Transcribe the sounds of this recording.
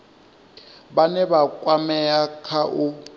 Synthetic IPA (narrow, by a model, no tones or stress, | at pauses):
banɛβakʼwamɛakʰaʔu